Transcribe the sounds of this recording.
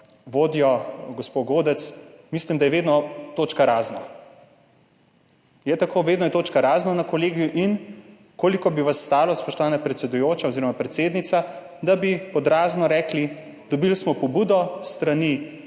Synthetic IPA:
ʋoːd̪ijɔɡɔspoɡoːd̪ɛt̪smislimd̪ajɛʋeːd̪nɔt̪oːt͡ʃkaɾaːzna | jɛt̪akoːʋeːd̪nɔjɛt̪oːt͡ʃkaɾaːznanakɔleːɡijuʔin | koːlikɔbiʋasːt̪aːlɔspɔʃt̪ɔʋaːnapɾɛt̪sɛd̪ujoːt͡ʃaoziːɾɔmapɾɛt̪seːd̪nit̪sa | d̪abipɔd̪ɾaːznɔɾɛːkli | d̪̥ɔbilsmɔpɔbuːd̪ɔst̪ɾani

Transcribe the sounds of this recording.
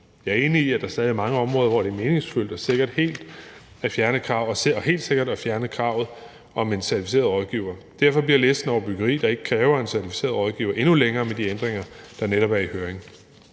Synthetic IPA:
jɑ̈ɐe̝ːniːæd̥ɑ̈sd̥ɛːð̞ˠiɐmɑ̈ŋəɒ̽mʁɔ̽ːðˠɐʋɒd̥e̝æɐme̝ːne̝ŋsful̰d̥ɒse̝ɡ̥ɐd̥he̝̰ːld̥ | æfjæɐnəkʰʁɑ̈ʊ̰ɒɒɦe̝̰ːld̥se̝ɡ̥ɐdæfjæɐnəkʰʁɑ̈ʊ̰ð̞̩ˠ | ɒ̽me̝nsæɐt͡sʰifise̝̰ːɐð̩ˠʁɒ̽ðˠɡ̥iːʊɐd̥æɐfɒ̽b̥liɐleːsd̥n̩ɒʊ̰ɐb̥yɡ̥ɐʁḭːd̥ɑ̈e̝ɡ̥ə̥kʰʁɛːʊɐe̝nsæɐt͡sʰi̥fi̥se̝̰ːɐðˠʁɒ̽ð̞ˠɡ̥ḭːʊɐʔe̝nuleŋɐːmed̥iend̥ʁeŋɐd̥ɑneɾɒ̽b̥æɐihøːɐeŋ

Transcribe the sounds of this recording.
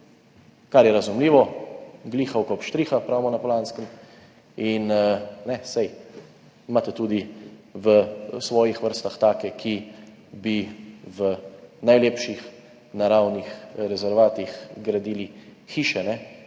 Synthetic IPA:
kaɾjɛɾazumliːʋɔɡliːxawkɔpʃt̪ɾiːxapɾaːwmɔnapɔlanskən | innɛsɛj | mat̪ɛt̪uːd̪iʋəsʋɔːjixʋəɾst̪axt̪aːkɛkʰi | biʋənajleːpʃix | naɾawnixɾɛzɛɾʋaːt̪ixɡɾad̪iːlixiːʃɛnɛ

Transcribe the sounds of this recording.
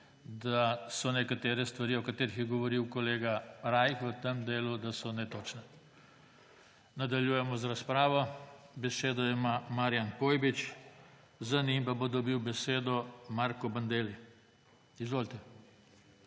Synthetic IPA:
d̪asɔnɛkat̪eːɾɛst̪ʋaɾiɔkat̪eːɾixjɛɡɔʋɔɾiwkɔleːɡaɾajxʋət̪əmd̪eːlud̪asɔnɛt̪oːt͡ʃnɛ | nad̪aljujɛmɔzaɾaspɾaːʋɔbɛseːd̪ɔɛmamaɾjankoːjbit͡ʃ | zanimpabod̪ɔbiwbɛseːd̪ɔmaɾkɔband̪eːli | izʋoːlt̪ɛ

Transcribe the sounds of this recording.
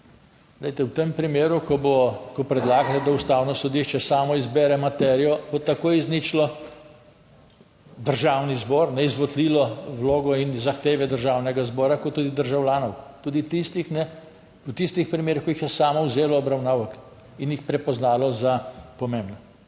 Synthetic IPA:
ɡlɛjt̪ɛwt̪empɾimeːɾukɔbokɔpɾɛd̪laːɡalɛd̪aust̪awnɔsɔd̪iʃt͡ʃɛsaːmɔizbɛːɾɛmat̪ɛːɾijɔbot̪akoːjiznit͡ʃlɔ | d̪əɾʒaːwnizbɔɾnɛizʋɔd̪liːlɔwloːɡɔinzaxt̪eːʋɛd̪əɾʒawnɛɡazbɔːɾakɔt̪ːud̪id̪əɾʒawljaːnɔwt̪uːd̪it̪ist̪ixnɛ | ut̪ist̪ixpɾimeːɾixkɔjixjɛsaːmɔwzeːlɔːbɾawnaːwək | injixpɾɛpɔznaːlɔzapɔmembnɔ

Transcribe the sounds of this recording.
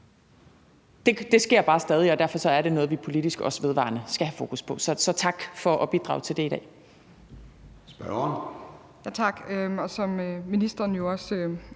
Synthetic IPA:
d̥e̝d̥e̝sɡ̥e̝ɐ̰b̥ɑ̈ːsd̥ɛːð̞ˠiɒd̥æɐfɒ̽sɒ̽æɐɾe̝nɔ̽ːð̞̩ˠʋipʰo̝lid̥isɡ̥ɒ̽sʋe̝ð̞ˠʋɑ̈ːnəsɡ̥æhæfo̝ːkʰuspʰɒ̽sɒ̽sɒ̽t͡sʰɑ̈ɡ̥fɒ̽ʔɒ̽b̥id̥ʁɑ̈ʊt͡sʰe̝ld̥e̝id̥ɾɛ̰ː | sb̥œɐn | jæt͡sʰɑ̈ɡ̥ɒsɒ̽mminisd̥ɐnjo̝ɒsø

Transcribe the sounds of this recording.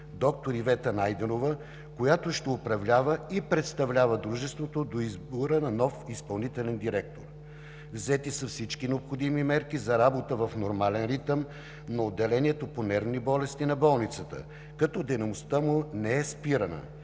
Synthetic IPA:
d̪ɔk̚t̪oɾivɛt̪ənajd̪ɛnovə | kojat̪oʃt̪ɛopɾɐvlʲavəipɾɛt̪st̪ɐvlʲavəd̪ɾuʒɛst̪vot̪od̪oizboɾənɐnɔfispɐlˠnit̪ɛlɛnd̪iɾɛk̚t̪o̰ɾ | vzɛt̪isəfsit͡ʃkinɛopxod̪imimɛɾkizɐɾabot̪əvɐfnoɾmalɛnɾit̪əm | nɐod̪ːɛlɛniɛt̪oponɛɾvnibɔlɛst̪inɐbɔlˠnit̪sət̪ə̰ | kɐt̪ɔd̪ɛnɐmost̪əmʊnɛɛspiɾənə̰

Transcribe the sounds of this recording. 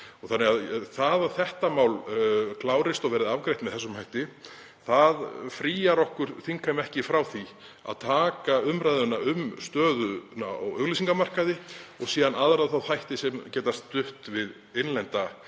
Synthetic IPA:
ɔɣθanːɛɣaðθaðaðθɛht̪amaːwlkʰlaːwɾɪst̪ɔɣvɛːɾɪðavkɾejt̪mɛðθɛsːʏmhajht̪ɪ | θaðfɾiːjaɾɔhkʏɾ̥θiŋkamɛhcɪfɾawθi | a̰ðt̪ʰaːkaʏmɾajðʏnːaʏmst̪œːðʏnaɔ̰ɣœɣlisiŋkamar̥kaðɪɔɣsiːðanaðɾaðθawθajht̪ɪsɛmcɛːt̪ast̪ːʏht̪vɪð | enlɛnt̪a

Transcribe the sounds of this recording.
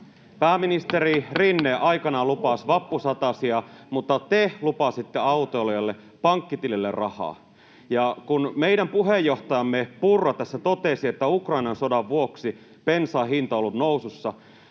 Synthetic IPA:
pæːminist̪eɾirinːeʔɑjkɑnɑlupɑsʋɑpːusɑt̪ɑsiɑmut̪ːɑt̪elupɑsit̪ːeɑut̪olojelːe | pɑŋkːit̪ililːḛrrɑ̰hɑ̰ː | jɑkunmeidæmpuɦejːoht̪ɑjɑmːepurːɑt̪ɑsːæt̪ot̪esiet̪ːæukrɑinɑnsodɑʋʋuoksi | pensɑːɦint̪ɑolːut̪noususːɑ

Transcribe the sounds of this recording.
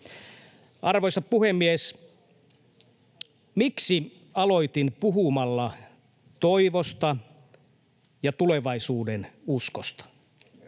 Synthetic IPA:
ʔɑrʋojsɑppuhemːies | miksi | ɑlo̞it̪inpuɦumɑlːɑ | t̪oiʋost̪ɑ | jɑt̪uleʋɑisuːdenuskost̪ɑ̥

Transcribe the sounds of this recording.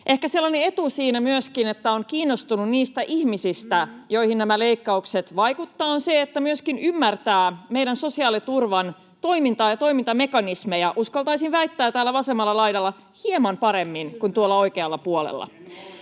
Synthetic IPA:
ʔe̞hkæselːɑnee̞t̪usiːnæmyøskinet̪ːæoŋkiːnːost̪ununniːst̪æʔihmisist̪æjo̞ihinnæmæle̞ikːɑukset̪ʋɑjkut̪ːɑːonseet̪ːæmyøskinymːært̪æːmejdænso̞siɑːlit̪urʋɑn | t̪o̞imint̪ɑːjɑt̪o̞imint̪ɑme̞kɑnismejɑʔuskɑlt̪ɑisiʋʋæjt̪ːæːt̪æːlːæʋɑsemːɑlːɑlɑjdɑlːɑ | hiemɑmpɑɾemːinkunt̪uolːɑo̞ikeɑlːɑpuolḛlːɑ̰

